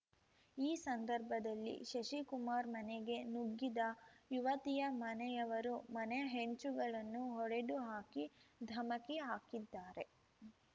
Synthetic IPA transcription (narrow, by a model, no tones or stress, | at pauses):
iːsɐnd̪ɐɾbʱɐd̪ɐlːḭʃɐʃikumaːɾmɐneɡe̞nuɡːid̪ɐjuʋɐt̪ijɐmɐnɛjɐʋɐɾumɐnɛjɐɦeɲt͡ʃuɡɐɭɐnːuɦɔɽeɖuɦaːkid̪ʱɐmɐkiɦaːkid̪ːaːɾe̞